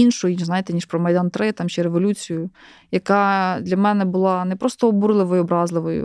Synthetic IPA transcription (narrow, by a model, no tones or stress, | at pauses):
inʃɔjnʲiznɑjet̪ɛnʲiʃpɾɔmɐjd̪ɑnt̪ɾɪt̪ɑmʃʲɛɾeʋɔlʲut͡sʲijʊjɐkɑd̪lʲɐmɛnɛbʊlˠɑnɛpɾɔst̪ɔːbuɾlˠɪʋɔjʊɔbɾɑzlˠɪʋɔjʊ̰